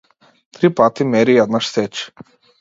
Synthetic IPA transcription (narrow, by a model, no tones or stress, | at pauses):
t̪ɾipat̪imɛɾijɛd̪naʃsɛt͡ʃ